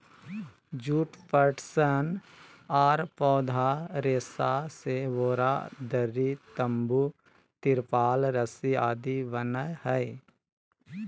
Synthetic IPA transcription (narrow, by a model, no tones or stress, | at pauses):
d͡ʒuːʈpəɾʈsən | aːɾpɔːd̪ʱaɾeːsaseʋoːɾad̪əɾit̪əmbu | t̪ɪɾpaːlɾəsiaːd̪iʋənəhəj